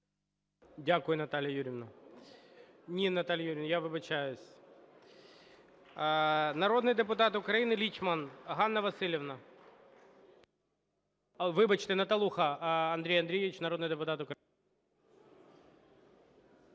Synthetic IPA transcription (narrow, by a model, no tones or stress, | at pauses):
dʲakʊjʊnɐt̪alʲɪjɐjuɾʲɪvnɐ | nʲinɐt̪alʲjɐjuɾʲɪvnɐjaʋɨbɐt͡ɕajʊsʲ | nɐɾo̞d̪nɨjd̪ɨpʊt̪at̪ʊkɾɐjinɪlʲit͡ɕmɐnɦanːɐʋɐsʲɪlʲɪvnɐ | ʋɪbɐt͡ɕt̪ɪnɐt̪ɐlˠuxɐɐnd̪ɾʲejɐnd̪ɾʲejɪʋʲɪt͡ɕnɐɾo̞d̪nɨjd̪ɨpʊt̪at̪ʊkɾ